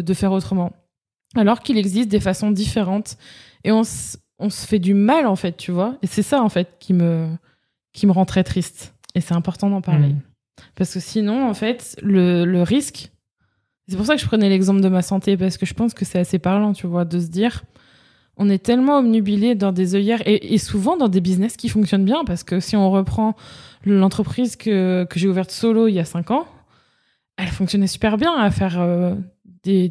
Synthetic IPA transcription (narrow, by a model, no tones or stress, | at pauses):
d̪əfɛʁot̪χəmɑ̃ | alɔʁkilɛɡzist̪̚d̪efasɔ̃d̪ifeʁɑ̃t̪ | eɔ̃s | ɔ̃sə̥fɛd̪ymalɑ̃fɛt̪̚ːyvwaesɛsaɑ̃fɛt̪kʲimə | kʲiməʁɑ̃t̪χɛt̪χist̪ | esɛɛ̃pɔʁt̪ɑ̃d̪ɑ̃paʁle | paʁsə̥kəsinɔ̃ɑ̃fɛt̪lələʁisk | esɛpuʁsakəʒəpχənɛlɛɡzɑ̃pld̪əmasɑ̃t̪epaʁsə̥kəʒəpɑ̃skəsɛasepaʁlɑ̃t̪yvwad̪əs̬əd̪iʁ | ɔ̃nɛt̪ɛlmɑ̃ɔmnybiled̪ɑ̃d̪ezœjɛʁeʔːsuvɑ̃d̪ɑ̃d̪ebiznɛskʲifɔ̃ksjɔnbjɛ̃paʁsə̥kəsiɔ̃ʁəpχɑ̃lɑ̃t̪χəpχizkəkəʒeuvɛʁt̪sɔloiljasɛ̃kɑ̃ | ɛlfɔ̃ksjɔnɛsy̥pɛʁbjɛ̃afɛʁø | d̪̥e